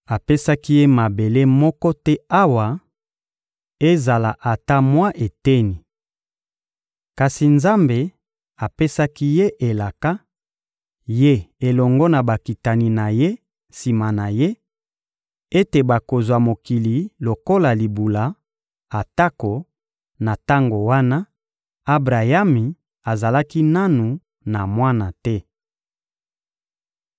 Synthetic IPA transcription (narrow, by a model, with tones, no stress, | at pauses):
a˨pe˦sa˦ki˦je˦ma˨be˨le˦mɔ˦kɔ˦tɛ˦a˦wa˨ | e˦za˨la˨ʔa˨ta˦mwa˦ʔe˨tɛ˦ni˨ | ka˨si˨nza˦mbe˨ | a˨pe˦sa˦ki˦je˦ʔe˨la˨ka˦ | je˦e˨lɔ˨ŋɡɔ˦na˨ba˨ki˨ta˨ni˨na˨je˦ | si˨ma˨na˨je˦ | e˦te˨ba˨ko˨zwa˨mo˨ki˨li˨lo˨ko˦la˨li˨bu˨la˨˦ | a˨ta˦ko˨ | na˨ta˦ŋɡo˨wa˦na˦ | a˦bʁa˨ja˦mi˨ | a˨za˨la˦ki˦na˦nu˨ | na˨mwa˦na˨tɛ˦